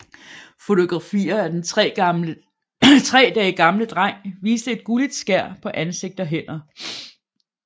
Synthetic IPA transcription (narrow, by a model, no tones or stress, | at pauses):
fo̝t͡sʰo̝ɡ̥ʁɑ̈fḭːɐæd̥enʰʁɛ̰ː | t͡sʰʁɛ̰ːd̥æiɡ̥ɑ̈mləd̥ʁɑŋ̰ʋiːsd̥əe̝d̥ɡ̥ulid̥sɡ̥æɐ̰pʰɒ̽ʔænse̝ɡ̥̚d̥ɒ̽ɦen̰ɐ